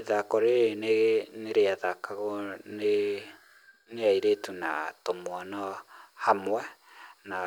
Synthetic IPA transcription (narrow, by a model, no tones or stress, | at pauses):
ðakɔɾeeneɣneɾeaðakaɣone | neaiɾetuna̰tomoanɔhamwɛna